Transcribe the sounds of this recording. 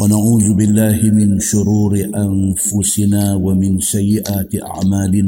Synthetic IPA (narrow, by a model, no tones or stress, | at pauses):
wanaʕuːzʊbɪlːaːhɪmɪnʃʊɾuːɾɪʔanfʊsɪnaːwamɪnsajːɪʔaːt̪ɪʔa̰ʕmaːlɪnaː